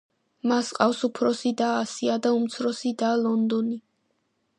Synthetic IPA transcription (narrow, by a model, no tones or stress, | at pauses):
masqʼafsupʰɾɔsid̪aːsiad̪aumt̪sʰɾɔsid̪alˠɔnd̪ɔni